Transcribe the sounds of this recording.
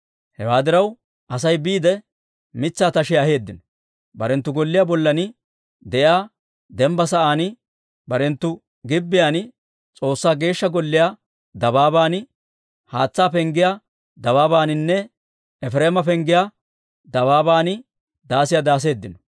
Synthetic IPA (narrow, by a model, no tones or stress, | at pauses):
hɛwaːd̪ɪɾɐw | ʔɐs̬ɐjbiːd̪ɛ | mɪt͡sːaːt̪ɐʃɛjɐhe̞ːd̪ːɪnɔ | bɐɾɛnt̪ːʊɡɔlːɪjaːbɔlːɐnɪ | d̪ɛʔjaː | d̪ɛmbɐsɐʔaːn | bɐɾɛnt̪ːʊ | ɡɪbːɪjaːn | t͡sʼo̞ːsːaːɡe̞ːʃːɐɡɔlːɪjaː | d̪ɐbaːbaːnɪ | haːt͡sːaːpɛŋɡɪja | d̪ɐβaːbaːnɪnːɛ | ɛfɾeːmɐpɛŋɡɪjaː | d̪ɐβaːbaːnɪ | d̪aːsɪjad̪aːs̬e̞ːd̪ːɪnɔ̥